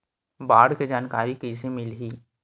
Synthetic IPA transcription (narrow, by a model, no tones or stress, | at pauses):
baːɽked͡ʒaːnkaːɾikisemɪlɦiː